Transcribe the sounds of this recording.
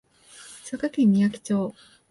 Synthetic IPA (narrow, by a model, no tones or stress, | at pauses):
sakakẽmːʲijakʲi̥t͡ɕo̞ː